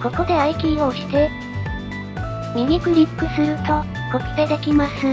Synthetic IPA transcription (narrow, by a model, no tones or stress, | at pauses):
ko̞ko̞d̪e̞aikʲioːɕi̥t̪e̞ | mʲiɡʲikɯ̟ɾʲipːɯ̟sɨɾɯ̟t̪o̞ | ko̞kɯ̟̥pe̞d̪e̞kʲimasɨ